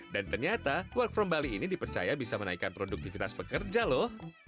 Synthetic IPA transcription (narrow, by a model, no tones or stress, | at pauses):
dant̪ərɲat̪awərk̚fɾɔmbaliːnidipərt͡ʃa̰jabisamənaikanpɾoduk̚t̪ifit̪aspəkərd͡ʒalɔh